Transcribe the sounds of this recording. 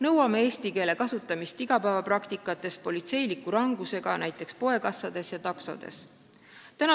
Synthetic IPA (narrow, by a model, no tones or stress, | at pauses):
nɤwɑmeeːst̪ike̞ːle̞kɑsut̪ːˑɑmist̪iɡ̥ɑpæevɑprɑkt̪ikːˑɑt̪ːˑe̞s̚po̞lit̪se̞jlikːuɾɑŋɡ̥use̞ɡ̥ɑnæjt̪ːˑe̞kspo̞e̞kɑsːɑd̪̥e̞sjɑt̪ɑkso̞̰d̪̥e̞̰s | t̪ænɑ